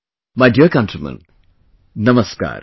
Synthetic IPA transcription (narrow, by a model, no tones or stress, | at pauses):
majɖiəɾkɐ̃ntɾəmə̰̃n | nɐməska̰ːɾ